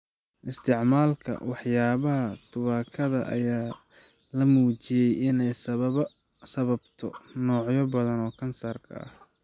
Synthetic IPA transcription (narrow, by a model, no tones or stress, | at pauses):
ʔɪst̪ʰɪʕmaːlkʰɐ̰wɑħjaːβɐɦɐt̪ʰʊβaːkʰɐðɐ̰ʔɐ̰jaː | lɐmuːt͡ʃɪjɛjɪnɛjs | sɐβɐbt̪ʰɔnɔːʕjɔbɐðɐnɔːkʰɐnsaːrkʰɐ̰ʔɐ̰h